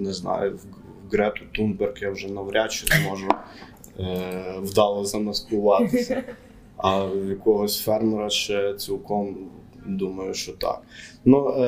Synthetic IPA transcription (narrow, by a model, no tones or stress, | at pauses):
nɛznɑ̰jʊ | wɡɾɛt̪ʊt̪unbɛrkjawʒɛnɐʋɾʲat͡ʃɪzmɔʒʊ | wd̪ɑlˠɐzɐnɐsp̪ˠʊʋɑt̪ɪsʲɐ | ɐjɐkɔɦɔsʲfɛrmɛɾɐt͡ʃɛt͡sʲilˠkɔm | d̪umɐjʊʃt͡ʃɔt̪ɑ̰knu